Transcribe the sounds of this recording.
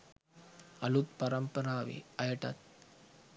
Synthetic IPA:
ɐlut̪̚pɐɾɐmpɐɾaːʋḭɐjɐʈɐ̰t̪̚

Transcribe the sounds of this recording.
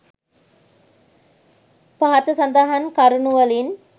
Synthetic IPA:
paɦat̪əsand̪aːɦankaɾunuʋəlin

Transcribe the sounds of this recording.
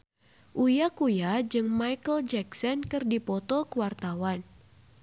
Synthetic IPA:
ʔujakujad͡ʒɨŋmajkəld͡ʒɛksɔnkɨrdipɔt̪ɔkuwart̪awan

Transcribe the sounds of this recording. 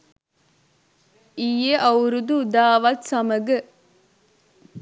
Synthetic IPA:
ijeʔɐwɾud̪uːd̪aːʋɐt̪sɐmɐɡə

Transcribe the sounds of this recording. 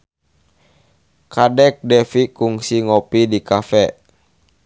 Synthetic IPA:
kadɛk̚dɛfikuŋsiŋɔpidikafɛ

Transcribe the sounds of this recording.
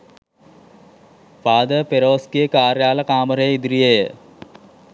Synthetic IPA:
paːd̪əpeɾoːskijəkaːɾjaːlɐkaːməɾəjid̪ɾijejə

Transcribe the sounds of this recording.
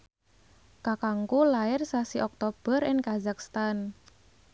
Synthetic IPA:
kakaŋkulaɪrsasiʔɔk̚t̪ob̥ə̤rɪŋkazakst̪an

